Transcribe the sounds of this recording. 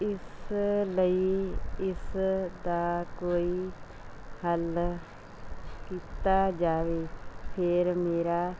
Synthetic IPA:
ɪsləiɪsd̪aːkoːiː | həl | kiːt̪aːd͡ʒaːʋeːpʰɪɾmeːɾaː

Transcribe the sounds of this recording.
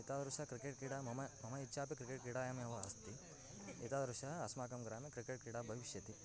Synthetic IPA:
it̪aːd̪ɾuʃaːkɾikeʈkiɽaːmɐmɐmɐmɐitːʃʰaːpikɾikeːʈkiɽaːjɐmiɐʋɐɐst̪i | it̪aːd̪ɐɾuʃaːɐsmaːkɐmɡɾaːmikɾikeʈ̚kiɽaːbʱɐʋiʃjɐt̪i

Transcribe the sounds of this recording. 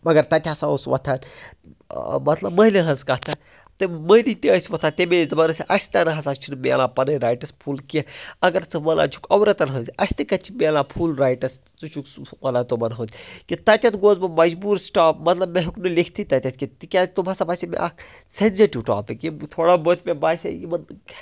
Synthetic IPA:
ɐɡɐɾt̪ɐt̪ʲaːsaosʋɐ̰t̪ʰaːn | mɐt̪lɐbmɐilinɦɐzkɐt̪ʰɐn | t̪ɐməjlit̪iəsʲʋɐt̪ʰant̪emezɐmaːnɐsʲiʔɐsʲt̪ɐnɐɦɐsakt͡ʃʰinmeɐlaːpɐnɐjɾaːjʈɐspʰuːlkiɐɡɐɾt͡sɨʋɐla̰ːt͡ʃʰu̥kɐwɾɐt̪ɐnɦɐnzʲɐsʲt̪ikɐt͡ʃʰimeɐlaːpʰuːlɾaːjʈɐs | t͡sut͡ʃʰukmɐlaːt̪omɐnɦəd̪kit̪ɐt̪ʲɐt̪ɡoːzmɐmɐd͡ʒbuːɾsʈaːpmɐt̪lɐbmeɦiknɨlikʰt̪ʰit̪ɐt̪ʲɐt̪̚ʰkʲit̪ikʲaːt̪umaːsabaːsʲemḛʔɐ̰k | senzeʈiʋʈa̰ːpekit̪ʰoːɽaːbət̪ʰmebaːsʲḛjimɐn

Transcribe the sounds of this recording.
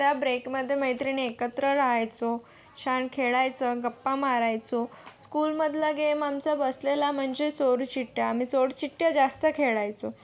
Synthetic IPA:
t̪jabɾekməd̪ʱːjeməɦjt̪ɾiːnekət̪ɾəɾaɦajt͡so | ɕʰaɳkʰeɭajt͡səɡəpːamaɾajt͡so | skulməd̪ʱlaɡemamt͡sabəslelam̤əɳd͡zesoɾt͡ɕiʈːjaːmisoɽt͡ɕiʈːjad͡zast̪əkʰeɭajt͡so

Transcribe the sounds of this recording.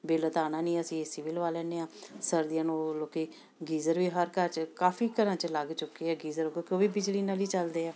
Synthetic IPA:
beːlət̪aːnãːnĩːəsĩːesɪʋɪlʋaːlɛːneːaːsəɾd̪ijãːnoːloːkeː | ɡiːzəɾʋiːɦəɾkəɾt͡ʃkaːfʰiːkəɾãːt͡ʃələɡt͡ʃʊkeːɛːɡiːzəɾoːkekoːʋiːbɪd͡ʒliːnaːliːt͡ʃəld̪eːaː

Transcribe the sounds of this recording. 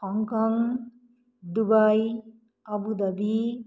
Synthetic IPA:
hɔŋkɔŋ | d̪ubaj | ɐbud̪ɐbi

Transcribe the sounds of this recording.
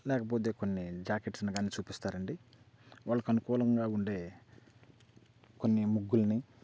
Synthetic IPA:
lɛːkɐp̬oːt̪̬e̞ːkonːid͡ʒaːkeʈsniɡaːnit͡ʃuːpist̪aːɾɐɳɖi | ʋaːɭːɐkɐnukɔːlɐŋɡaːuɳɖe̞ː | konːimuɡːulɐni

